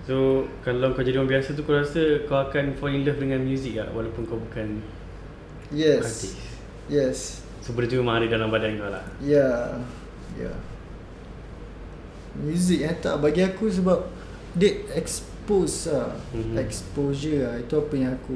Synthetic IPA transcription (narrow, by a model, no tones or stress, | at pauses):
sokalawəŋkawd͡ʒadiwabiasat̪̬ukawɾasəkawakanfɔliŋləfdəŋãnmjuzik̚la̰ʔwalawpʊnkawbukan | jɛkast̪ik | jɛs | sobəɾt̪umãaɾidalaŋbadankala̰hja | ja̰ | mjuzik̚jãt̪a̰ʔbaɡiakus̬əbap̚ | det̪̚ɛks | posaɛkspozəait̪uapəɲãŋaku